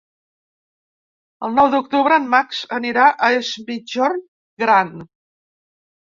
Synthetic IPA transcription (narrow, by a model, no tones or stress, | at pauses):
əlˠnɔwd̪uk̚t̪uβɾəːmmːaksəniɾaʔəezbiʒɔɾ | ɡɾan